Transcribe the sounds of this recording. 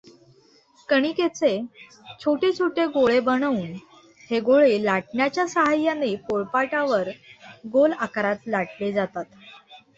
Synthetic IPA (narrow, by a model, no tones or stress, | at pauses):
kəɽ̃iːket͡se | t͡ɕʰoʈet͡ɕʰoʈeɡoɭebənəuːn | heɡoɭelaʈɳjat͡ɕjasəɦajːanepoɭpaʈaʋəɾɡolakɾat̪laʈled͡zat̪at̪